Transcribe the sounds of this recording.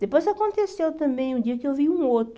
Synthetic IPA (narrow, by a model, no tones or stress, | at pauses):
d̪epojzakõnt̪esewt̪ɐ̃mbẽj̃ũd̪iɐkewviũot̪